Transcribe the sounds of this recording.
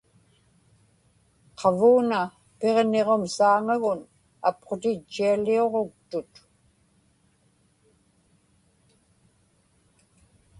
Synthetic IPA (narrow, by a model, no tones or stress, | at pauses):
qʰɑvuːna | pe̞ʁne̞ʁo̞msaːŋaɣʊn | apqot̪ɪt͡ʃːialio̞ʁok̚t̪ʊt̪